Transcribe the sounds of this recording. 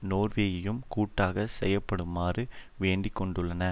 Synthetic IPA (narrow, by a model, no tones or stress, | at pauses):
noːrʋeːɣɪjɯmkuːʈːaːɣɐsɛ̰jːɐpːɐɽɯmːaːrɯʋeːɳɖɪkːɔɳɖɯɭːɐnɐ